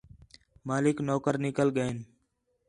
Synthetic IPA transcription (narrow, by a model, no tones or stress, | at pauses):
maːlɪknoːkəɾnɪkəlɠəen